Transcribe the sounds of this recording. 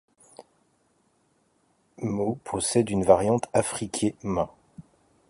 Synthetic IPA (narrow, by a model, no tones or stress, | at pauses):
mopɔsɛd̪ynvaʁjɑ̃t̪afχikʲʰemã